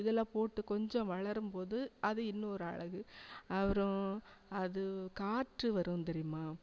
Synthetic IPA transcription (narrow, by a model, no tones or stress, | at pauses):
ɪðɛlːãːpoːʈːɯkɔɲd͡ʒɔ̃ʋɐɭɐɾɯmpoːðɯɐðɯɪnːɯ̃ɔɾɯɐ̰ɭɐɣɯɐʋɐɾɔ̃ɐðɯkaːʈrɯʋɐɾɯnt̪ɛɾɪjɯmaː